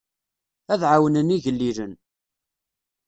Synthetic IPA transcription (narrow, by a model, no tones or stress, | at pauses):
æðʕawənəniʝəlːiɾən